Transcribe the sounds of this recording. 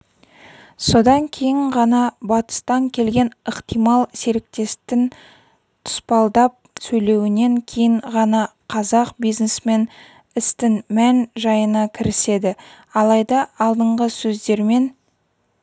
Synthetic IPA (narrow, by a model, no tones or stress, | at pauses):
so̞d̪ɑŋkʲʰe̞jɪɴʁɑnɑbɑt̪ə̥st̪ɑŋkʲʰe̞lɡʲe̞nəqt̪ijmɑlˠse̞ɾɪk̚t̪e̞st̪ɪn | t̪ʰʊ̥spɑlˠd̪ɑp̚sɵjle̞wɪne̞ŋkʲʰe̞jɪɴʁɑnɑ | qʰɑzɑqbijznesme̞n | ɪst̪ɪnmænʒɑjənɑkʲʰɪɾɪse̞d̪ɪ | ɑlˠɑjd̪ɑːlˠd̪əɴʁəsɵzd̪e̞ɾme̞n